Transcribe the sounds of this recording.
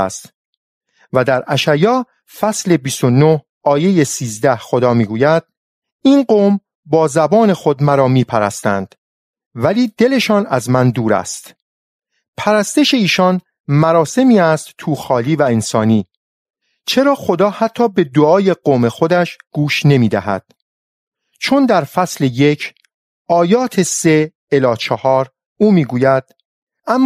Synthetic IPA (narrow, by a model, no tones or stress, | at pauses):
st̪ | væd̪æɾæʃæjɒː | fæsle̞bist̪onoh | ɒːje̞je̞siːzd̪æhxo̞d̪ɒːmiːɡuːjæd̪̥̚ | iːnɢoːm | bɒːzæbɒːne̞xo̞d̪mæɾɒːmiːpʰæɾæst̪ænd̪̥ | væliːd̪e̞le̞ʃɒːnæzmænd̪uːɾæ̰st̪ | pʰæɾæst̪eʃe̞iːʃɒn | mæɾɒːse̞miːæst̪t̪ʰuːxɒːliːvæensɒːniː | t͡ʃʰe̞ɾɒːxo̞d̪ɒːhæt̪ʰːɒːbe̞d̪oɒːje̞ɡoːme̞xo̞d̪æʃɡ̥uːʃne̞miːd̪æ̰ɦæ̰d̪̥ | t͡ʃʰond̪æɾfæsleje̞cʰ | ɒːjɒːt̪ʰe̞se̞ | elɒːt͡ʃʰɒhɒːɾ | uːmiːɡuːjæd̪̥ | æmː